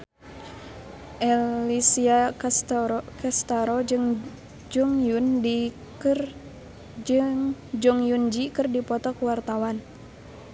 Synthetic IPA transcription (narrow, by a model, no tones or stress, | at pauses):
ʔɛlisiat̪kɛst̪aɾɔd͡ʒŋ | d͡ʒɔŋjundi | kr | d͡ʒɨŋd͡ʒɔŋjund͡ʒikɨrdipɔt̪ɔkuwart̪awan